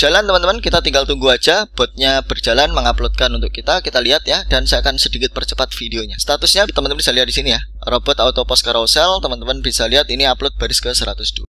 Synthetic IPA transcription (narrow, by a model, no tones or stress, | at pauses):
d͡ʒ̥alant̪əmənəmənkit̪at̪iŋɡalt̪uŋɡuad͡ʒab̥ɔt̪̚ɲab̥ərd͡ʒalanməŋaplot̪̚kanunt̪̬ʊkːit̪akit̪aliɦat̪jadansajakansədikɪt̪̚pərt͡ʃəpat̪̚fideoɲast̪at̪ʊsɲat̪əmənəmənbisaliɦat̪̚d̥isinija | robɔt̪awt̪opɔskaɾaosɛlt̪əmənt̪əmənbisaliɦat̪iniaplʊt̪̚b̥aɾɪskəsəɾat̪ʊsd̥ua